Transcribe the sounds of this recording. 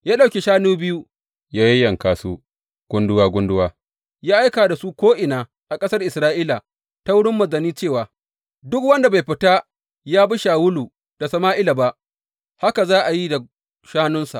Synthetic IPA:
jaː˦ɗa˨wkʲe˨ʃaː˦nuː˦bɪ˦ju˦ | jaː˦ji˦jɐ˨ŋkaː˨suː˦ | ɡ̥ʊ˦ndʊ˦waː˦ɡʷʊ˦ndʊ˦waː˦ | jaː˦ʔa˦jkaː˨da˨su˦kʷoː˦ʔɪ˨naː˨ | ʔa˨kʼɐ˦sɐ˦rʔɪ˨sɾaː˦ʔiː˦la˨ | ta˦wʊ˦ɽɪ˦mːɐ˨zɐ˨niː˦t͡ʃeː˦˨waː˨ | dʊ˦k̚wɐ˦nda˨ba˨jɸɪ˦ta˦ | jaː˦bi˦ʃaː˨wʊ˦luː˨ | d̥a˨sɐ˨maː˦ʔɪ˦la˨ba˦ʔ | ha˦ka˨zaː˦ʔa˨ji˦da˨ | ʃaː˦nʊ˦nsa̰˨ʔ

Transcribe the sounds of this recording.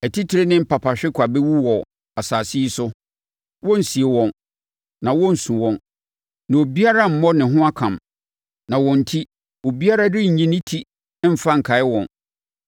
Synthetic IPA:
æ˨tʰi˦tʰɪ˨ɾe˦nɪ̃˦m̩˦pʰa˨pʰa˨ɕᶣɪ˦kʷʰa˨bɛ˦wu˦wɔ˨ | a˨saː˨si˦sʊ˦ | wɔ̃˦n̩˨si˨e˨wɔ̃˨n | nã˨wɔ̃˦n̩˨sũ˨wɔ̃˨n | nã˨o˨bi˦a˦ɾa˦m̩˨˦mɔ˦nɪ̃˨ɦʊ̃˦a˦kʰã˨m | nã˨wɔ̃˨n̩˨tʰi˦ | o˨bi˦a˦ɾa˦dɪ˦ɲ̩˨ɲĩ˦nɪ̃˦tʰi˦ | m̩˦fa˦ŋ̩˨kʰa˨ɪ˦wɔ̃˨n

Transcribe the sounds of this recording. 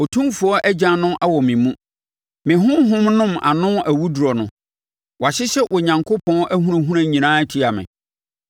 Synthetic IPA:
o˨tʰũ˦fu˨ɔ˦ʔɛ˦d͡ʑã˨nʊ̃˦ʔa˦wɔ˨mɪ̃˨mũ˦ | mɪ̃˨ɦʊ̃˦ɦʊ̃˦mnʊ̃˦ma̰˨nʊ̃˦æ˨wu˦du˨ɾɔ˨nʊ̃˨ | wa˨ɕɪ˦ɕɛ˦ʔɔ˨ɲã˨ŋkʰo˦pʰɔ̃˦ʔæ˦ɦũ˦ã˨ɦũ˦ɾã˨ɲĩ˨nãː˦tʰi˦a˨mɪ̰̃˨

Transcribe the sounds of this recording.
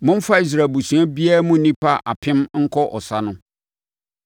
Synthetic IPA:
mʊ̃˦m̩˦fa˦i˨s̬ɾaː˨bu˨sũ˨˦a˦bi˦a˦mʊ̃˦nĩ˦pʰa˦ʔa̰˨pʰɪ̃˦mŋ̩˦kʰɔ˦ʔɔ̰˨sa˦nʊ̃˦

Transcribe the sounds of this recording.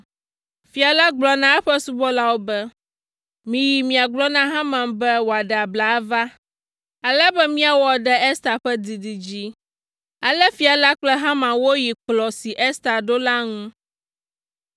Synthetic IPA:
fi˨a˨la˦ɡ͡blɔ˨˦nã˦ɛ˦ɸɛ˦su˦bɔ˦la˦wo˦bɛ˦ | mĩ˨ji˨mĩ˨a˨ɡ͡blɔ˦nã˦ɦã˦mã˨mbɛ˦wo˨a˨ɖɛ˨a˨bla˨a˦va˦ | ɛ˦lɛ˦bɛ˦mĩ˦a˨wɔ˨ɖɛ˨ɛ˦st̪a˨ɸɛ˦d̪i˨d̪i˨d͡ʑi˦ | ɛ˦lɛ˦fi˨a˨la˦k͡plɛ˦ɦã˦mã˨wo˦ji˨k͡plɔ˨si˨ʔɛ˦st̪a˨ɖo˦la˦ŋũ˦

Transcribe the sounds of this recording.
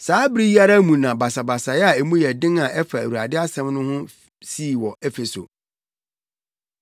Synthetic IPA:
saː˦bɪ˦ɾi˦ji˦a˦ɾa˦mũ˨nã˨ba˨sa˨ba˨sa˨jɛ˦a˨e˨mũ˦jɛ˨dɪ̃˦na˨ʔɛ˦fa˨æ̰˨wu˨a˨dɪ˦a˦sɛ̃˦mnʊ̃˦hʊ̃˦ | siː˦˨wɔ˨ʔɛ˦fe˨so̰˨

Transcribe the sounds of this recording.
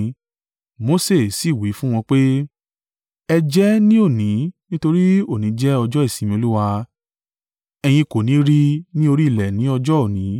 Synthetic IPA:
mo˨˦se˦˨si˦˨wi˨˦fũ˦w̃ɔ̃˧k͡pe˦ | ɛ˧d͡ʒɛ˦nĩ˦o˦˨nĩ˨˦nĩ˦to˧ɾi˦o˦˨nĩ˨˦d͡ʒɛ˦ɔ˧d͡ʒɔ˦i˦˨sĩ˨mĩ˧o˧lu˦wa˧ | ɛ˧j̃ĩ˧ko˨nĩ˨˦ɾi˦nĩ˦o˧ɾi˦i˦˨lɛ˨nĩ˨˦ɔ˧d͡ʒɔ˦o˦˨nĩ˨˦

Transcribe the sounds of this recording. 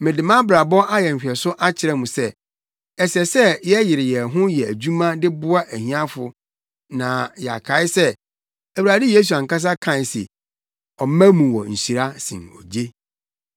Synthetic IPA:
mɪ̃˨dɪ˨mã˦bɾa˨bɔ˦ʔa˦jɛ˨ɲ̩˨ɕᶣɛ˨sʊ˦ʔa˦t͡ɕʰɪ˨ɾɛ˦mũ˨sɛ˦ | ɛ˨sɛ˨sɛ˦jɛ˦jɪ˨ɾɪ˨jɛ˨ɦʊ̃˦jɛ˨æ˨d͡ʑu˦mã˦dɪ˦bʊ˦a˦ʔæ˨hĩ˦ã˦fʊ˨ | nã˨jɛ˨a̰˨kʰa˨˦ɪ˦sɛ˦ | æ˨wu˨a˨dɪ˦je˦s̬u˨a˨ŋka˦s̬a˦kʰã˦˨sɪ̰˨ | ɔ˨mæ̃˦mũ˨wɔ˨ɲ̩˨ɕi˨ɾa˦sḭ̃˨ɔ̰˨d͡ʑe˦

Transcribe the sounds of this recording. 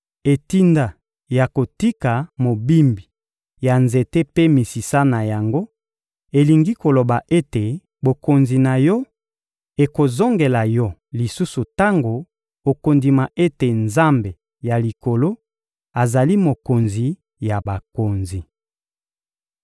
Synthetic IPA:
e˨ti˦nda˦ | ja˨ko˨ti˦ka˨mo˨bi˦mbi˨ | ja˨nze˨te˦pe˦mi˨si˨sa˦na˨ja˨ŋɡo˦ | e˨li˨ŋɡi˦ko˨lo˨ba˨ʔe˦te˨ | bo˨ko˨nzi˨na˨jɔ˦ | e˨ko˨zo˦ŋɡe˨la˨jɔ˦li˨su˦su˨ta˦ŋɡo˨ | o˨ko˨ndi˨ma˨ʔe˦te˨nza˦mbe˨ | ja˨li˨ko˨lo˦ | a˨za˨li˦mo˨ko˨nzi˨ | ja˨ba˨ko˨nzi˨

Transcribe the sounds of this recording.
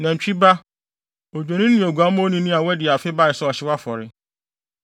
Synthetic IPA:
nã˨ɲ̩˨t͡ɕᶣi˦ba˦ | o˨d͡ʑᶣe˨nĩ˦nĩ˨o˨ɡu˨a˦m˦o˦nĩ˦nĩ˦a˨wɛ˦dɪ˨a˨fɪ˦ba˦˨ɪ˨sɛ˦ɔ˨ɕɪ˦wa˦fɔ˨ɾɪ˦

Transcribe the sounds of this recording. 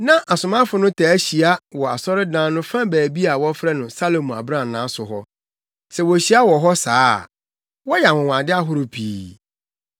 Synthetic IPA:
nã˦ʔa˨sʊ˨mã˦fʊ˨nʊ̃˦tʰa˨æ˦ɕi˨a˦wɔ˨a̰˨sɔ˦ɾɪ˦dãː˦nʊ̃˦fã˦bæː˨bi˦a˨wɔ˦fɾɛ˦nʊ̃˨sa˦lo˨mũ˨a̰˨bɾã˦˨nːã˨˦sʊ˨ɦɔ˦ | sɛ˨wɔ˨ɕi˦a˦wɔ˨ɦɔ˦sa̰ː˦˨ | wɔ˦ja˨wʊ̃˨wã˨dɪ˦a˦ɦʊ˦ɾʊ˦pʰiː˨˦

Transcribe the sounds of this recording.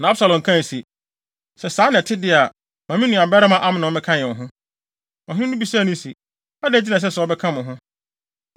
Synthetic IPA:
nã˨˦a˦bsa˨lɔ̃˨ŋ˨kʰã˦n˨si˨ | sɛ˨saː˨˦nɪ̃˨tʰɪ˦dɪ˦a˨ | mã˨mĩ˦nũ˨a˨bɛ˦ɾa˦mã˨ʔa˦mɪ̃˨nʊ̃˨˦ɪ̃˦kʰã˦jɛ̃˨ɔ˨ɦʊ̃˦ | ɔ̃˨ɦʊ̃˦nũ˦bi˨sa˦˨nʊ̃˦si˨ | a˦dɛ˦˨d͡ʑi˦nã˨s̬ɛ˦sɛ˨˦ɔ˦bɛ˦kʰã˦mʊ̃˨ɦʊ̃˦

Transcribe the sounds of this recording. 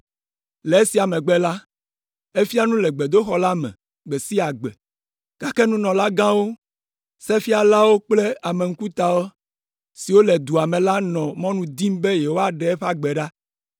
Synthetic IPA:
lɛ˨e˦si˨a˨mɛ̃˨ɡ͡bɛ˦la˦ | e˦fi˦a˦nũ˦lɛ˨ɡ͡be˨d̪o˦xɔ˦la˦mɛ̰̃˨ | ɡ͡bɛ˨si˦a˨ɡ͡bɛ˨ | ka˨ke˦nũ˦nɔ̃˨la˦ɡã˦wo˦ | sɛ˦fi˦a˨la˦wo˦k͡ple˦a˨mẽ˨ŋ̩˦ku˦t̪a˨wo˦ | si˨wo˦lɛ˨d̪u˨a˨mɛ̃˨la˦nɔ̃˨mɔ̃˦nũ˨d̪i˦m˦be˦je˨wo˦a˨ɖɛ˨˦ɛ˦ɸa˦ɡ͡bɛ˨ɖa˦

